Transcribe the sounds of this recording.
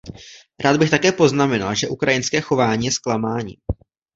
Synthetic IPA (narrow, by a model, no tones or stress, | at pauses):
ɾʔaːd̪̚bɪxt̪akɛːpo̞znamɛna̰lʒɛʔukɾajɪnskɛːxo̞vaːɲiːjɛsklamaːɲḭː